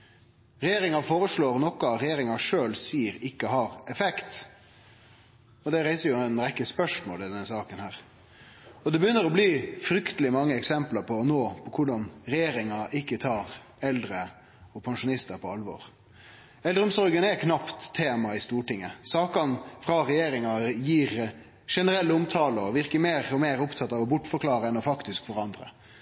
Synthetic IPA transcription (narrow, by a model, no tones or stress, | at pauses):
ɾɛjeːɾɪŋɑfoːɾəʂɭoːɾnɔkɑɾɛjeːɾɪŋɑʂøːlsiːɾɪkːəɦɑɾɛfɛkt̪ | ɔd̪ɛɾæɪsəɾjʊɛnɾɛkːəspœʂmo̰ːlɪd̪ɛnəsɑːkənhæːɾ | ɔd̪ɛbəjʏnːəɾɔbliːfɾʏkt̪əlɪmɑŋːəɛksɛmplɑɾpʰɔnoːpʰɔkʰʊɖɑnɾɛjeːɾɪŋɑʔɪkːət̪ʰɑːɾ | ɛld̪ɾə | ɔpʰɑŋʂʊnɪst̪əɾpʰɔɑlʋo̰ːɾ | ɛld̪ɾəʊmsɔɾɡənɛkʰnɑpt̪ʰːeːmɑɪst̪uːʈɪŋːəsɑːkɑnfɾɑɾɛjeːɾɪŋɑjiːɾ | ʂɛnəɾɛlːəʊmt̪ʰɑːləɔʋɪʁkəmeːɾɔmeːɾʊpt̪ʰɑt̪ːɑːʋɔbʊʈːfɔɾkʰlɑːɾəɛnɔfɑkt̪ɪskfɔɾɑnd̪ɾə̰